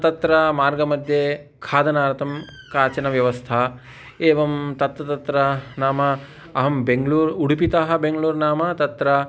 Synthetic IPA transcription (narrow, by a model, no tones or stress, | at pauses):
t̪ɐt̪ɾɐmaːɾɡɐmɐd̪ʱjeːkʰaːd̪ɐnaːɾɐt̪ʰɐm | kaːt͡ʃɐnɐʋjɐʋɐst̪ʰɐ | eːʋɐmt̪ɐt̪ɾɐt̪ɐt̪ɾɐnaːmɐ | ɐɦɐmbeŋɡluːɾuɽupit̪aːɦɐ̆beŋɡɐluːɾnaːmɐt̪ɐt̪ɾɐ